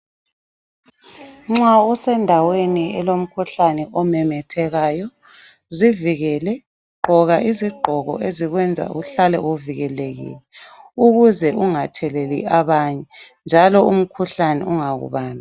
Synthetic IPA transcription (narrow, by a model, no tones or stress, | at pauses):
ŋ͡ǁausɛndʱaweniɛlom̩kʰuɬanɛʔɔmɛmɛtʰɛɣaːjɔ | ziviɣɛːlɛ | ǃʱɔɣaʔiziɡ͡ǃʱɔɣɔ̰ʔeziɣwɛnd͡zʱa̰ṵɬalɛ̰oviɣɛleɣḭːlɛuɣuzɛʔuŋatʰɛlɛlḭaβaɲɛnd͡ʒʱalɔum̩kʰuɬanɛ̰uŋaɣṵβaːna